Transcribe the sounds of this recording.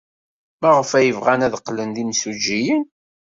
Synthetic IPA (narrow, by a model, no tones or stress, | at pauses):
mæʁəfæjəvʁænæðqːlənðinsud͡ʒijən